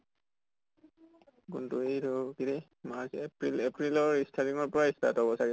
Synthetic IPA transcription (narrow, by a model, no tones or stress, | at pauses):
kuntuejɾɔkiɾɛ | maɹsepɹilepɹilɔɹistʰaɹiŋɔɹpɔɹaistʰa̰tɔbɔsaɹɛ